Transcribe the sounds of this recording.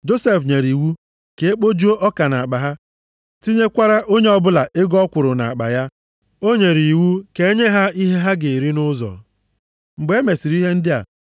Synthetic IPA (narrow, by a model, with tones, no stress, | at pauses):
d͡ʒo˦se˨fɲe˨ɾi˨wu˦ | ke˨e˦k͡po˦d͡ʒu˦o˦ʔɔ˦ka˨na˨k͡pa˨ɦa˦ | ti˦ɲe˦kʷa˦ɾa˦ʔo˦ɲe˦ɔ˦bʊ˦la˨ʔɪ˦ɡɔ˦kʷʊ˨ɾʊ˨na̰˨a˨k͡pa̰˨ja˦ | o˦ɲe˨ɾi˨wu˦ke˨e˦ɲe˦ɦa˦i˦ɦe˦ɦa˦ɡe˨ɾi˦nʊ˦zɔ̰˨ | ŋ͡m̩˨ɡ͡be˦me˨si˨ɾi˦ɦe˦n̩˦dɪ˦a̰˨